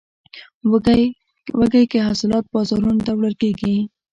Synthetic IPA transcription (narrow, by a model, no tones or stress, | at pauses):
wəɡajkeɦasɪlɑt̪̚bɑzɑɾund̪awɽaɾkeɡi